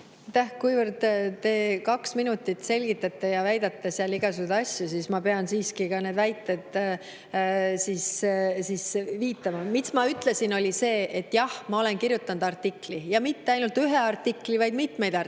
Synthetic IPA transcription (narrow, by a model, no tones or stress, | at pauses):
t̪ːæhkujvərd̪̥t̪e̞ːkɑksminut̪ːˑit̪se̞lʲɡ̥it̪ːˑɑt̪ːˑejɑvæjd̪̥ɑt̪ːeseɑliɡ̥ɑsud̪ɑsʲjusismɑpe̞ɑnsiːskikɑne̞ːd̪væjt̪ːˑe̞d̪̥ | siːssiːsviːt̪ˑːɑmɑmit̪smɑyt̪ˑle̞sino̞lʲise̞ːet̪ːˑjɑhmɑo̞le̞nkirjut̪ːˑɑnd̪ɑrt̪ːˑiklijɑmit̪ːeɑjnult̪ːyɦeɑrt̪ːˑiklivɑjd̪̥mit̪me̞jd̪ɑ